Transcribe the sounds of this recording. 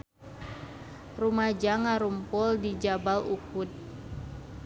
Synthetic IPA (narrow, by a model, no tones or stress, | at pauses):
rumad͡ʒaŋaɾumpʊldid͡ʒabalukut̪̚